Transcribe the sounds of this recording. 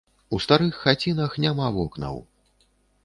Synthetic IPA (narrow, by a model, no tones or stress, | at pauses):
ust̪aɾɨxːat͡sʲinɐxnʲamavɔknɐ̰w